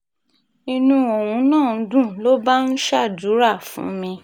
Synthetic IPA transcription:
ĩ˧nũ˧o˨wũ˧˦nãː˦˨n̩˨˦dũ˦˨lo˦ba˦n̩˦ʃa˦˨du˨˦ɾa˦˨fṵ̃˨˦mĩ˧

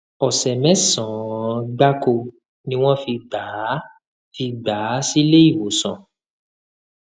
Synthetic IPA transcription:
ɔ˨sɛ˨mɛ̃˨˦sɔ̃˨ɡ͡ba˦ko˧ | nĩ˦w̃ɔ̃˦fi˧ɡ͡ba˨˦ | fi˧ɡ͡ba˨˦si˦le˦i˦˨wo˨sã˨

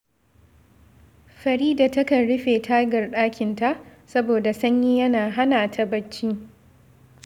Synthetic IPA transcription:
ɸɐ˨ɾiː˦da˨tɐ˦kɐ˨nɽʊ˦ɸeː˨tʰaː˦ɡɐ˨rɗaː˦kʲɪ˨nta˦ʔsɐ˦boː˨da˨sɐ˦ɲji˦jɐ˦naː˨ɦa˦naː˨tʰa˦bɐ˦t͡ʃːiː˦

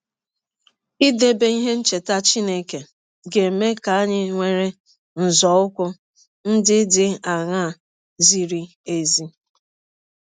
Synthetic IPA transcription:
i˦de˦be˦i˦ɦe˦n̩˦t͡ʃe˨ta˦t͡ʃi˦ne˦ke˨ | ɡe˨me˦ka˨˦ɲɪ˦ŋʷe˦ɾe˦ | n̩˨zɔ˨˦ʊ˦kʷʊ˦ | n̩˦dɪ˦dɪ˦a˨ŋa˦˨ | zi˦ɾi˦ | e˨zi˦

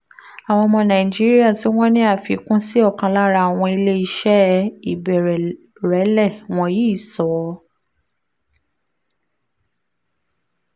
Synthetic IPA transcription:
a˨w̃ɔ̃˧mɔ̃˧nã˨i˨d͡ʒi˦ɾi˦a˦˨si˨˦w̃ɔ̃˦nĩ˦a˦˨fi˨˦kũ˦si˦ɔ˦˨kã˧la˦ɾa˧˦˨a˨w̃ɔ̃˧i˧le˦i˦˧˦ʃɛ˦i˨bɛ˨ɾɛ˨ | ɾɛ˨˦lɛ˦˨w̃ɔ̃˧ji˦i˦˨sɔ˨˦

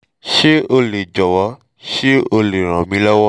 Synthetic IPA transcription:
ʃe˦o˧le˨d͡ʒɔ˨wɔ˨˧˦ | ʃi˦o˧le˨ɾ̃ã˨mĩ˧˦lɔ˦wɔ˦

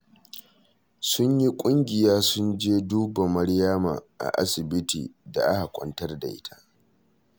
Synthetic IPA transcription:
sʊ˦ɲji˦kʷʼʊ˦ŋɡʲɪ˨jaː˦sʊ˦nd͡ʒeː˦duː˦ba˨mɐ˦ɽjaː˦ma̰˨ʔa̰˨ʔa̰˦sɪ˨bɪ˦tḭː˨da̰˨ʔa˦ha˨kʷʼɔ̰˨ntɐ˦rda˨ʔɪ˦tʰḁ˦

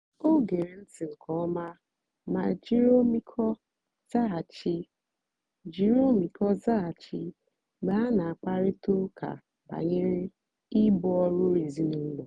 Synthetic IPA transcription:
o˦ɡe˨ɾe˨n̩˦ti˨ŋ̩˨kʰɔ˦ɔ˦ma˦ | ma˨d͡ʒi˦ɾo˦mi˦kʰɔ˦ | za˦˨t͡ʃi˦ | d͡ʒi˦ɾo˦mi˨kɔ˦za˦a˨t͡ʃi˦ | ɡ͡ba˦a˦na˨a˨k͡pa˦ɾɪ˦tu˦ka̰˨ | ba̰˨ɲe˦ɾɪ˦ | i˦bʊ˦ɔ˦ɾʊ˦ɾe˨zi˦nu˨˦n̩˦lɔ˨

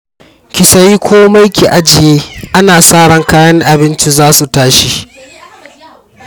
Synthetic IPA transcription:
kʲɪ˨sɐ˦ji˦kʷoː˦mɐ˦jkʲi˨ʔa˦d͡ʒɪ˨jeː˦ʔa˦naː˨saː˦ɽɐ˦ŋkaː˦jɐ˦ŋʔa˨bɪ˦nt͡ʃi˦zaː˦su˨taː˦ʃi˦

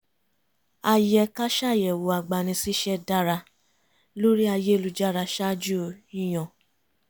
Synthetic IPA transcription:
a˧jɛ˧ka˦ʃa˦˨jɛ˨wo˨a˨ɡ͡ba˨nĩ˧si˦ʃɛ˦da˦ɾa˧ | lo˦ɾi˦a˧je˦˧lu˨˧d͡ʒa˦˨ɾa˧ʃa˦d͡ʒu˦˨˧ĩ˦j̃ɔ̃˨

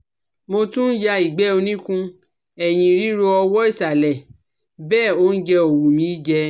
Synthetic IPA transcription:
mo˧tũ˦n̩˦ja˧i˨ɡ͡bɛ˦o˧nĩ˦kũ˧ | ɛ˨j̃ĩ˨ɾi˦ɾo˧ɔ˧wɔ˦i˦˨sa˨lɛ˨ | bɛː˦˨o˦n̩˦d͡ʒɛ˧o˨wu˨mĩ˧˦i˦d͡ʒɛ˧

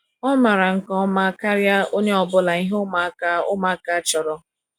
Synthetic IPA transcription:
ɔ˦ma˨ɾa˨ŋ̩˨kɔ˦ma˦ka˦ɾja˦o˦ɲe˦ɔ˨bʊ˦la˨i˦ɦʊ˦ma˨˦ka˦ʊ˦ma˨˦ka˦t͡ʃɔ˨ɾɔ˨

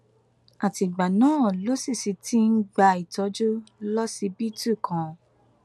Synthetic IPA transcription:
a˨ti˨ɡ͡ba˨nãː˦˨lo˨˦si˦˨si˨˧ti˦n̩˦ɡ͡ba˧i˨tɔ˧˦d͡ʒo˦lɔ˦si˧˦bi˦tu˦˨kʰã˨

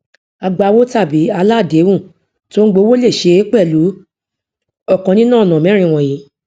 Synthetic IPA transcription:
a˧ɡ͡ba˧wo˦ta˦˨bi˨˦a˧la˦˨de˨˦wũ˦˨ | to˦n̩˦ɡ͡bo˧˦wo˦le˦˨ʃe˧˦k͡pɛ˦˨lu˨˦ | ɔ˦˨kã˧nĩ˦nãː˦˨nã˨mɛ̃˨˦ɾ̃ĩ˦˨w̃ɔ̃˨ji˨˦

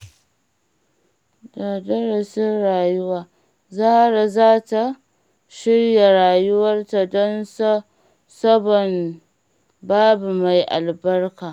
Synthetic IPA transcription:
daː˨dɐ˦ɾɐ˨sɪ˦nɽaː˨jʊ˦waː˨ | za˦hɽa˨zaː˦ta˨ | ʃɪ˦ɽja˨ɽaː˨jʊ˦wɐ˦rta˨dɔ˦ns | sɐ˦bɔ˨n | baː˦bu˨ma˨jʔa̰˨lbɐ˦rkaː˨

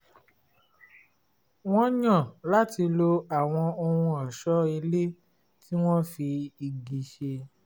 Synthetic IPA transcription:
w̃ɔ̃˦ɲã˦˨la˨˦ti˧lo˧a˨w̃ɔ̃˧o˧hũ˧ɔ˨ʃɔ˦i˧le˦ | ti˦w̃ɔ̃˦fi˧i˨ɡi˨ʃe˧

